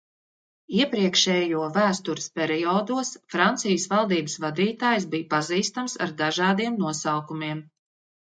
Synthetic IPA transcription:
iɛpɾiɛkʃɛːjuɔvæːst̪uɾɨ̥spʲɛɾiɔːd̪uɔsfɾant̪sijsvalˠd̪iːbəsvad̪iːt̪aːjs̬bijpaziːst̪amsa̰ɾd̪aʒɑːd̪iɛmnuɔsawkumiɛm

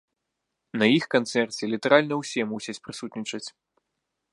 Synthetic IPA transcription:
nɐjixkant̪sɛrt͡sʲɛlʲit̪ɐɾalʲnɐwsʲɛmusʲɐt͡sʲpɾɨsut̪ʲnʲit͡ʂɐt͡sʲ

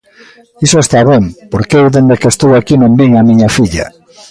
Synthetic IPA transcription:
isoest̪aβempoɾkewðend̪ekest̪owakinõmbiŋamiɲɐfiʎɐ̰

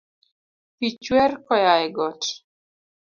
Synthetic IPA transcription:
pit͡ʃwɛrkɔjaɛɡɔt

